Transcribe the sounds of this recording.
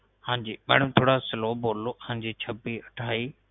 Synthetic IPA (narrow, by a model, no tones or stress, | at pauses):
hãːɲd͡ʑiːmḛːɽ̃ʊmt̪ʰoːɽasɪloːboːloãːɲd͡ʑiːt͡ɕʰəbiːəʈʰaːiː